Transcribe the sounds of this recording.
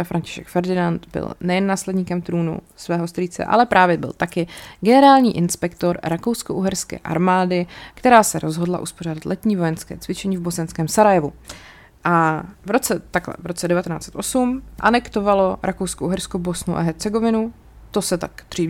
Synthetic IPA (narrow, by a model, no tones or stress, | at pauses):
afɾaɲcɪ̥ʃɛkfɛɾdɪnant̪bɪ̰lnɛjɛnːaːslɛdɲiːkɛmt̪ɾuːnṵ | svɛːɦo̞st̪riːt͡sɛ̰ʔa̰lɛpɾʔaːvjɛbɪ̰lt̪akɪɡɛnɛɾaːlɲiːʔɪnspɛkt̪oɾɾakowskoʔuɦɛɾskɛ̰ːʔa̰ɾmaːdɪkt̪ɛɾaːsɛɾʔozɦo̞dla̰ʔusporaːdat̪lʔɛt̪ɲiːvo̞jɛnskɛ̰ːt͡svɪt͡ʃɛɲiːvbo̞sɛnskɛːmsaɾajɛvu | ʔavɾo̞t͡sɛt̪aklɛ̰vɾo̞t͡sɛdɛvat̪ɛna̰ːt͡sɛ̥t̪ʔo̞sumʔa̰nɛkt̪o̞valo̞ɾʔakowskoʔuɦɛɾskobo̞snuʔa̰ɦɛɾt͡sɛɡovɪnu | t̪o̞sɛt̪a̰kd̪r̝̥iː